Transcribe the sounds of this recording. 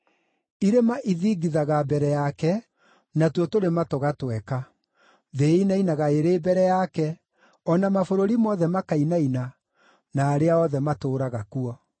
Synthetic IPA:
iɾemaʔiðiːɡiðaɣabɛɾɛjakɛ | natwɔtoɾematoɣatwɛka | ðeinainaɣaeɾeːbɛɾɛjakɛ | ɔnamafoɾoɾimɔðɛmakainaina | naːɾeaɔðɛmatoːɾaɣakuɔ

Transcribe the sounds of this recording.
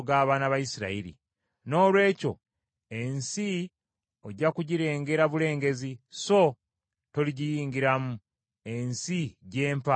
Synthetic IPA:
ɡaːβaːnaβajisiɾa̰iɾḭ | no̞ːlwe̞ːco̞̰ | e̞nsi | oɟːakuɟiɾe̞ːŋɡe̞ɾaβule̞ːŋɡe̞ziso̞ | to̞liɟijiːŋɡiɾamu | e̞nsiɟe̞ːmpa

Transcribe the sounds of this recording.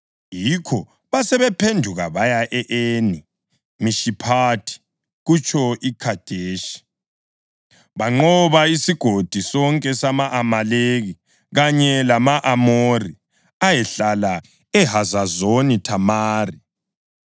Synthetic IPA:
jikʰɔ | βasɛβɛpʰendʱuɣaβajaʔɛʔeni | miʃipʰatʰi̥ | ɣut͡ʃʰʼɔikʰad̥ʱeːʃi̥ | βaŋ͡ǃɔβaisiɡ̥ʱod̥ʱisɔŋkʼɛsamaʔamaleɣi | ɣaɲɛlamaʔamori | ajɛɬala | ɛɦazazonitʰamaːri

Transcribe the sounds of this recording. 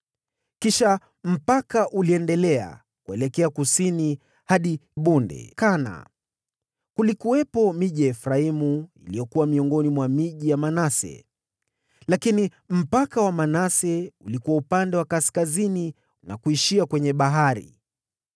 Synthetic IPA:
kiʃa | m̩pakaʔuliɛndɛlɛa̰ | kuɛlɛkɛakusini | haɗiɓundɛ̰kana̰ | kulikuwɛpɔmiʄijaɛfɾaimuḭlijɔkuwamiɔŋɡɔnimwamiʄijamanasɛ̰ | lakini | m̩pakawamanasɛulikuwaupandɛwakaskazini | na̰kuiʃiakwɛɲɛɓaɦaɾḭ

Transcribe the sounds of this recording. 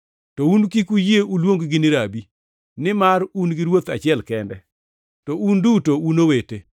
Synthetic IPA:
tɔunkikujeʔulwoŋɡɡɪnɪɾabi | nɪmarunɡɪɾwot̪a̰t͡ʃɪɛlkɛndɛ | tɔundutounowete

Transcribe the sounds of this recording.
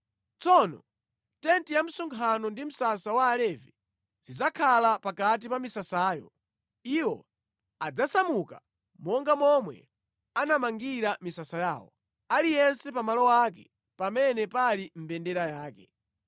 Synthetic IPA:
t͡sɔnɔ̰ | tɛntijam̩sɔŋkʰanɔndim̩sasawaːlɛvɛ | zid͡zakʰalapakat̬ipamisasaːjɔ̰ | iwɔ̰ | ad͡zasamuka̰ | mɔŋɡamɔmwɛ̰ | anamaŋɡiɾamisasajaːwɔ̰ | alijɛnsɛpamalɔwak̬ɛ̰ | pamɛnɛpalim̩bɛndɛɾajaːkɛ

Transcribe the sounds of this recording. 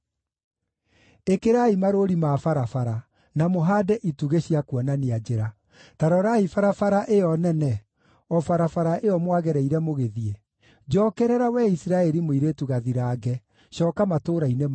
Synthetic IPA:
ekeɾaimaɾoɾimafaɾafaɾa | namoɦaːdɛʔituɣeɕjakwɔnaniad͡ʒeɾa | taɾɔɾaifaɾafaɾaʔeɔnɛnɛ | ɔfaɾafaɾaʔeɔmwaɣɛɾɛiɾɛmoɣeðie | d͡ʒɔkɛɾɛɾawɛisɾaɛɾimoiɾetuɣaðiɾaːɡɛ | ɕɔːkamatoːɾainem

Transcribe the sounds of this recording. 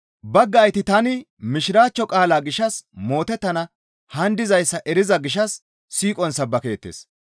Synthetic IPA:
bɐɡːɐːjt̪ɪt̪ɐnɪ | mɪʃɪɾaːt͡ʃːɔkʼaːlaːɡɪʃɐsmo̞ːt̪ɛt̪ːɐnɐ | hɐnd̪ɪzɐjsːɐʔɛɾɪzɐɡɪʃɐsː | iːkʼɔnsɐbːɐke̞ːt̪ːḛːs

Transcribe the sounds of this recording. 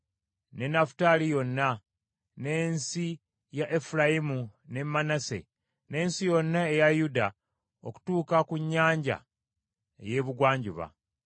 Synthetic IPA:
ne̞nafu̥talijo̞nːa | ne̞ːnsi | jaʔefulajimune̞mːanase̞̰ | ne̞ːnsijo̞nːae̞jajuda | oku̥tuːkakuɲːaːɲɟa̰ | e̞̰je̞βuɡwaːɲɟuβa̰

